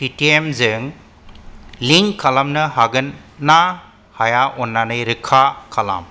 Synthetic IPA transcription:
pitiemzɯŋ | liŋkʰalamnɯɦaɡɯnːa | hajaʔɔnːanɯjɾɯkʰakʰala̰m

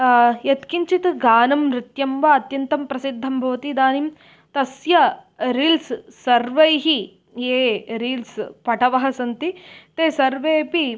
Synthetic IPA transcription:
jɐt̪kiɲt͡ʃit̪ɡaːnɐmɾɪt̪jɐmʋaɐt̪jɐnt̪ɐmpɾɐsid̪ʱːɐmbʱɐʋɐt̪id̪aːnim | t̪ɐsjɐɾiːlssɐɾʋɐjɦi | eːɾiːlspɐʈɐʋɐɦɐsɐnt̪it̪eːsɐɾʋeːpi

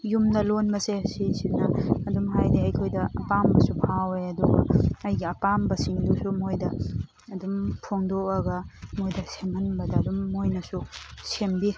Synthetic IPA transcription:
jumnɐlonbɐsesisinɐːdumɦajdiɐjkʰojdɐɐpambɐsupʰaweɐduɡɐ̰ɐjɡiɐpambɐsiŋdusumojdɐː | dumpʰoŋdoɐɡɐmojdɐsemɐnbɐdɐːdumːojnɐsusembi

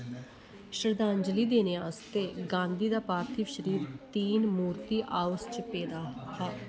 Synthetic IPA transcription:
ʃɾd̪ãːɲd͡ʒəliːd̪eːneːaːst̪eːɡãːnd̪iːd̪aːpaːɾt̪ʰiːʃəɾiːɾt̪iːnmuːɾt̪iːʔaːʋəst͡ʃpeːd̪aːɦaː

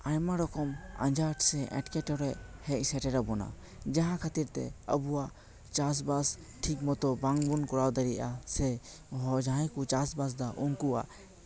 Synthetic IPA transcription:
ajmaɾɔkɔma̰nd͡ʒaɾʈsɛʔɛ̰ʈkɛʈɔɾɛʔhɛc̚sɛʈɛɾabɔna̰ | d͡ʒaɦãkʰat̪iɾt̪ɛ̰ə̰buwaʔ | t͡ʃas̬bas | ʈʰik̚mɔt̪ɔbaŋbunkɔɾawd̪aɾiʔasɛ | ɦɔd͡ʒaãjkut͡ʃasbas̬d̪aʔuŋkuwa̰ʔ

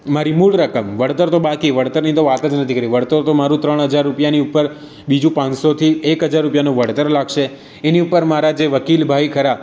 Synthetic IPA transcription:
maɾimulɾəkəmʋəɽt̪əɾt̪obakiʋəɽt̪əɾnit̪oʋat̪əd͡ʒnət̪ʰikəɾiʋəɽt̪əɾt̪omaɾũt̪ɾəɳ̃ɦəd͡ʒaɾːupjaniupːəɾ | bid͡ʒũpãnsot̪ʰiekɦəd͡ʒaɾːupjanõʋəɽt̪əɾlaɡʃe | eniupəɾmaɾad͡ʒeʋəkilbʱaikʰəɾa

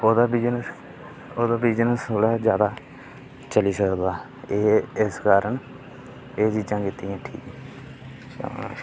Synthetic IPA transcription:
oːd̪aːbiːd͡ʒnəs | oːd̪aːbiːd͡ʒnəsoːɽaːd͡ʒjaːd̪aː | t͡ʃəliːsəkd̪aː | eːɪskaːɾəɳ | eːd͡ʒid͡ʒãːkɪt̪ːiːɛ̃ːʈʰḭːkː

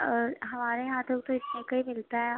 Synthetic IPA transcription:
ɦɐmaːɾeɦaːt̪ʰokt̪oɪt̪nẽkɐimɪlt̪aɦɛ

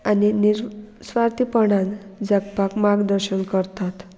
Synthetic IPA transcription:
aniniɾsʋaɾt̪ipəɽ̃ãnd͡zəɡpakmaɡd̪əɾɕənkəɾt̪at̪

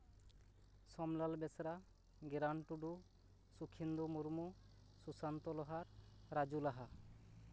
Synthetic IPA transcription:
sɔmlalbesɾa | ɡeɾaɳʈuɖu | sukʰind̪umuɾmu | susant̪ɔlɔɦaɾɾad͡ʑulaɦa

